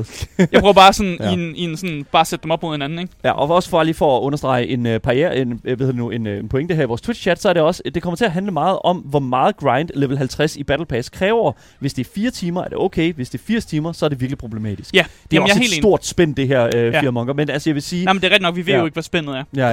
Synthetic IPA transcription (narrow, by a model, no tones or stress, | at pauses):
jɑb̥ʁɔɐbɑ̈ːsɔnininsɔnb̥ɑ̈ːsed̥d̥emɒb̥mo̝ðˠhe̝næn̩eɡjæʔɒ̽ɒ̽sə̥fɒliːfɒːɔ̽nɐsd̥ʁɑ̈ɪəʔe̝nøpʰɑ̈ʁiɛ̰ːɐ̰enʋeðhðˠdenue̝nenpʰoeŋd̥hæɐ̰iʋɒ̰ːst͡sʰwid̥ɕʰæd̥sɒ̽ɐɾe̝ɒ̽səd̥ekʰɒ̽mɐt͡sʰe̝æɦænləmɑ̈ːð̞̩ˠʔɒ̽mʋɒmɑ̈ːð̩ˠɡ̥ʁɑ̈ɪnd̥leʋl̩ɦælt͡sʰʁɛsib̥æd̥l̩pʰɛːskʰʁɛːʊɐ | ʋe̝sd̥e̝ɐfiːɐt͡sʰiːmɐæɐd̥e̝oʊkʰeɪʋesd̥e̝ɐfiɐ̰st͡sʰiːmɐsɒɐd̥e̝ʋiɐɡ̥lipʰʁo̝b̥le̝mɛ̰ːd̥isɡ̥æd̥eæɐɒjaḛːlsːdo̝ɐ̰d̥sb̥en̰d̥e̝ɦæɐ̰øiɐmɒ̽ŋɡ̥ɐmenælsəjɑ̈ʋe̝siːmnd̥eæɐʁɛɡd̥inɒ̽ɡ̥ʋiʋe̝̰joe̝ɡ̥ʋɒsb̥en̰ð̩ˠæɐæ